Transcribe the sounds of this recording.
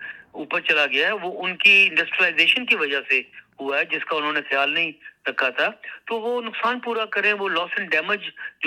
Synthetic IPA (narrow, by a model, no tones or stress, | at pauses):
uːpəɾt͡ʃɐlaɡɪjaɦɛʋoːʔʊnkiɪ̃ɳɖəsʈɾiəlaːɪzeːʃənkiʋɐd͡ʒaseɦʊaɦɛd͡ʒɪskaʊnɦõːnexjaːlnɐɦĩɾɐkʰːat̪ʰaːt̪oːʋonʊksaːnpuːɾakɐɾẽʋolɔːsɛ̃nɖɛːmɪd͡ʒd͡ʒ